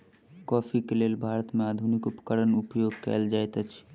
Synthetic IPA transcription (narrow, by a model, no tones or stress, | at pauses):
kɔːfʰikeleːlbʱaːɾət̪mẽaːd̪ʱʊnɪkʊpə̥kəɾənʊpjoːɡ̚kɛ̰ːld͡ʒaːet̪ət͡ʃʰ